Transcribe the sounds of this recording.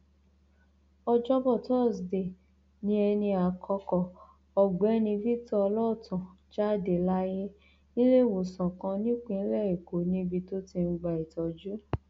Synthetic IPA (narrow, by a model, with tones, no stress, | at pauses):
ɔ˧d͡ʒɔ˦bɔ˦˨tɔ˦˨sde˨ | nĩ˦ɛ˧nĩ˧a˨kʰɔ˧kɔ˨ | ɔ˨ɡ͡bɛ˨˦nĩ˧vi˦tɔ˦ɔ˧lɔ˦˨tʰã˨ | d͡ʒa˦˨de˨la˦je˦ | nĩ˦le˦˨wo˨sã˨kã˧nĩ˦k͡pĩ˦lɛ˦˨i˨ko˨˦nĩ˦bi˧to˦ti˧n̩˧ɡ͡ba˨i˨tɔ˨d͡ʒu˦